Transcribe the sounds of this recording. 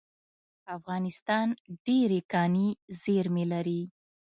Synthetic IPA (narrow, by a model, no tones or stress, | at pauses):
afɣɑnɪst̪ɑnɖeɾekɑnizeɾmelaɾi